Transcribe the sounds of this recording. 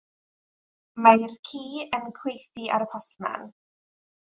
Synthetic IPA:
majrkʰiːənkʰwejθiʔaɾəpʰɔsma̰n

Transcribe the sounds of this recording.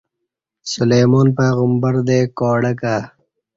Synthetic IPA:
sʊlejmɔːnpeːɣəmbaɾd̪eːkɔːɽaka

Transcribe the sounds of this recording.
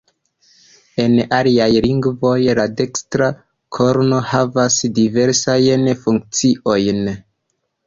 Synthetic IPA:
e̞naliajliŋɡvo̞jlade̞kstɾa | kʰo̞ɾno̞havasdive̞ɾsajnfuŋk̚t͡siʔo̞jn

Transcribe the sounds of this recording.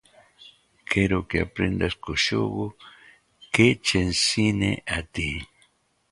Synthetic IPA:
kʰeɾokeapɾḛnd̪askoʃo̰ɣo | ket͡ʃensinḛʔat̪i

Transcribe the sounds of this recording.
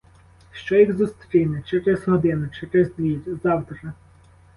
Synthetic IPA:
ʃt͡ʃɔiɣzʊst̪ɾʲijnɛt͡ʃɛɾɛzɦɔd̪ɪnʊt͡ʃɛɾɛzd̪ʋʲiɾʲzɑwt̪ɾɐ

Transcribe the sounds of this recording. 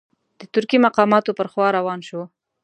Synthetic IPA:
d̪̥ət̪ʊɾkimaqɑmɑt̪opəɾxwɑɾawɑnʃo

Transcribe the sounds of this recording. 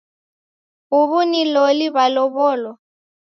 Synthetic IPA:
ɣʊβʊniloliβalɔβɔːlɔ

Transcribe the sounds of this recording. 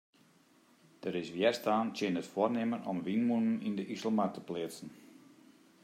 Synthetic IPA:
d̥əɾɪsʋjɛrstaːntjɪnətfoərnɪmənʔɔmʋinmunən̩indəʔisl̩matə̥plɪət͡sən̩

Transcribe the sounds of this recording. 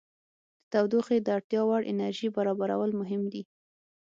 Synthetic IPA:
d̪̥ət̪awd̪uxed̪əaɽt̪jɑwaɽʔɪ̰naɾʒibaɾɑbaɾa̰wəlmʊɦɪmd̪i

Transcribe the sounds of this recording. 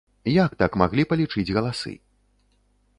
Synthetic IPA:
jak̚t̪akmaɣlʲipɐlʲit͡ʂɨd͡zʲɣɐlˠasɨ̰

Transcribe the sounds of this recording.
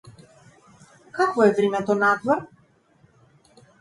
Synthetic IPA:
kakvɔɛvɾimɛt̪ɔnat̪vɔɾ

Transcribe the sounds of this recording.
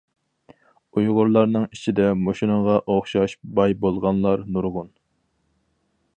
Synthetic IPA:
ujʁʊɾlˠɑɾnɨŋit͡ʃʰid̪ɛmoʃinɨɴʁɑʔoχʃɑʃbɑjbolˠʁɑnlˠɑɾnuɾʁʊn

